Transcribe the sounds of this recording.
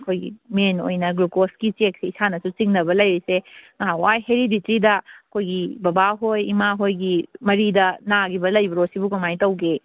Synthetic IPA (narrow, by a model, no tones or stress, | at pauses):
ɐkʰojɡḭmeno̰jnɐɡɾukoskit͡ʃek̚siisanɐsut͡ʃiŋnɐbɐlɐjiseŋaɦawajheɾiditɾidɐɐkʰojɡibɐbaɦojḭmaɦojɡimɐɾidɐnaɡibɐlɐjbɐɾosibukumajtɐwɡe